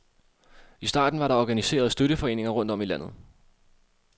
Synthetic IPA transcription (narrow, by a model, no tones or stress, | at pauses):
isd̥ɑ̈ːd̥n̩ʋɑ̈ɾɑ̈ɒɡ̥ænise̝̰ːɐðˠsd̥øɾ̥əfɒ̽e̝̰ːne̝ŋɐʁɔ̽n̰d̥ɒ̽milæn̰ð̞̩ˠ